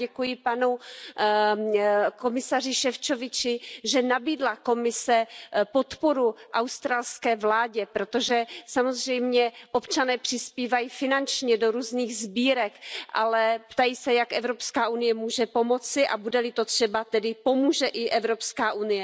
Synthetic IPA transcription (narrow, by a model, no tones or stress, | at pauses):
ɛkujɪpanu | ko̞mɪsarɪʃɛft͡ʃovɪt͡ʃɪʒɛnabiːdlako̞mɪsɛpo̞t̪po̞ɾuʔawst̪ɾaːlskɛːvlaːɟɛpɾo̞t̪o̞ʒɛsamo̞zrɛjmɲɛʔopt͡ʃanɛːpr̥ɪspiːvajiːfɪnant͡ʃɲɛdoɾuːzniːɣzbiːɾɛkʔa̰lɛpt̪ajiːsɛjakʔɛvɾo̞pskaːʔunɪjɛmuːʒɛpo̞mo̞t͡sɪʔa̰budɛlɪt̪o̞t̪r̝̥ɛbat̪ɛdɪpo̞muːʒɛʔɪʔɛvɾo̞pskaːʔunɪjɛ